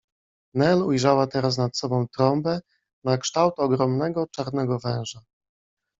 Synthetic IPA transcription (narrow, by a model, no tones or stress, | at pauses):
nɛlujʐawat̪ɛɾasnat̪sɔbɔ̃w̃t̪ɾɔmbɛ | nakʂt̪awt̪ɔɡɾɔmnɛɡɔt͡ʂaɾnɛɡɔvɛ̃w̃ʐa